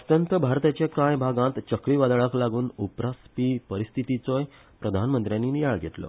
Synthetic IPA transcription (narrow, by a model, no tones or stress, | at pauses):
t̪jənt̪əbʱaɾt̪at͡ɕekãjbʱaɡãt̪t͡ɕəkɾiːʋad̪aɭaklaɡuːnupɾaspiːpəɾist̪ʰit̪it͡sɔj | pɾəd̪ʱanmənt̪ɾjãnːiːnijaɭɡʱet̪lɔ̰